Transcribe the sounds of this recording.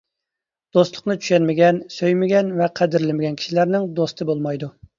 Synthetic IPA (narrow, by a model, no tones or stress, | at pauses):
d̪̥ost̪lˠʊqnɨt͡ʃʰy̥ʃɛnmɪɡʲɛnsøjmɪɡʲɛnvɛqʰæd̪ɪɾlɪmɪɡʲɛnkʰʲi̥ʃilæɾnɪŋd̪ost̪ʰɨbolˠmɑjd̪u